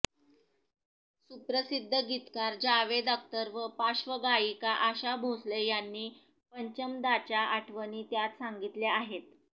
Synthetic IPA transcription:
supɾəsid̪ʱːəɡit̪kaɾd͡ʑaʋed̪ək̚t̪əɾʋəpaɕʋəɡaikaʔaɕabʱoslejanːiː | pəɲt͡ɕəmd̪at͡ɕjaʔaʈʰʋəniːt̪jat̪saŋɡit̪ljaaɦet̪̚

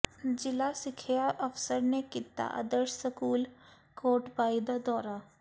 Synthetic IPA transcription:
d͡ʒɪlasɪkʰejaʔɐfsəɾnekɪt̪ːa̰ʔɐ̰d̪əɾʃsəkuːl | koːɾʈbaːid̪ad̪ɔːɾa

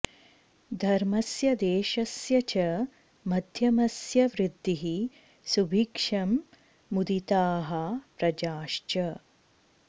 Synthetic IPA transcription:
d̪ʱɐɾmɐsjɐd̪eːʃɐsjɐt͡ʃɐ | mɐd̪ʱjɐmɐsjɐʋɾid̪ːiɦi | subʱikʂɐmː | ud̪it̪aːɦɐpɾɐd͡ʒaːʃt͡ʃɐ

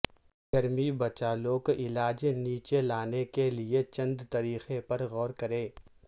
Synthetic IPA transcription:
ɡɐɾmibɐt͡ʃaːloːkɪlaːd͡ʒniːt͡ʃelaːnekeliet͡ʃɐ̃nd̪t̪ɐɾiːxepɐɾɣɔːɾkɐɾẽː

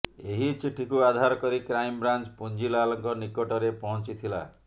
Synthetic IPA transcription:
eɦit͡ʃiʈʰikuad̪ʱaɾɔkɔɾikɾajmbɾant͡ʃpund͡ʒilalɔŋkɔnikoʈɔɾepɔɦɔ̃nt͡ʃit̪ʰila̰

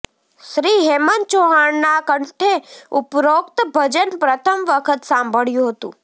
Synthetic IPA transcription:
ʃɾiːɦemənt͡ʃoɦaɳːakəɳʈʰeʊpɾoːk̚t̪bʱəd͡ʒənpɾət̪ʰəmʋəkʰət̪sãːmbʱəɭjũɦət̪ṵ̃ː

